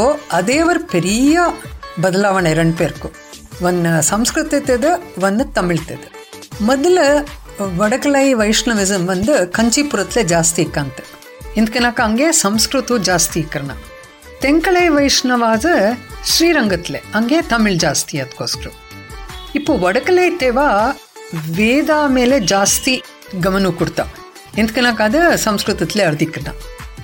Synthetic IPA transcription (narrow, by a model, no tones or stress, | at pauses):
oɐd̪eːʋɐɾupeɾijɐbɐd̪ɐlaːʋɐɳɐɾeɳɖ̚peːɾku | ʋɐnːsɐmskɾut̪it̪ed̪ɨʋɐnːɨt̪ɐmiɭt̪ed̪ɨ | mɔd̪ɐlɐ | ʋɐɽɐkɐɭɐjʋɐjʂɳɐʋizɐmʋɐnd̪ɨkɐɲt͡ʃipuɾɐt̪led͡ʒaːst̪iikːaːnt̪ɨ̥ | ind̪kɐnaːkɐɐŋɡeːsɐmskɾut̪ud͡ʒaːst̪iːkɐɾɐɳɐ̰ | t̪eŋkɐɭɐjʋɐjʂɳɐʋaːd̪ɨʃɾiːɾɐŋɡɐt̪leɐŋɡet̪ɐmiɭd͡ʒaːst̪iɐd̪koːskɐɾu | ipːuʋɐɽɐkɐlɐjt̪eːʋa | ʋeːd̪aːmeːled͡ʒaːst̪i | ɡɐmɐnukuɽt̪a̰ː | ind̪kɐnaːkaːd̪ɐsɐmskɾut̪ɐt̪leɐɾɐd̪ʱikɾɐɳɐ̰